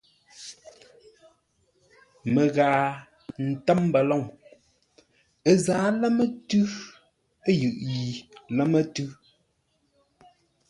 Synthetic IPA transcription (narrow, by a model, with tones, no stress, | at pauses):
mə˨ɣaː˨ | n̩˨tɛ˦m˦ba˨lɔ˦˨ŋ | e˦zaː˨˦lɛ˦mə˦tʉ˦ | e˦jʉ˨ʔji˨lɛ˦mə˦tʉ˦